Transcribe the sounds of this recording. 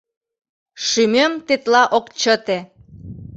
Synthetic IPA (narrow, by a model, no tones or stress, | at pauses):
ʃymømt̪et̪lɑʔokt͡ɕət̪e